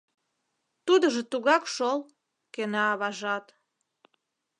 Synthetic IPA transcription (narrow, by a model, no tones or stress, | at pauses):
t̪ud̪əʒĕt̪uɣɑkʃol | kenɑːβɑʒɑt̪